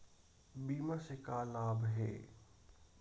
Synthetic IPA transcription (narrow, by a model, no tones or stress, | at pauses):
biːmasekaːlaːbɦɛ̰ː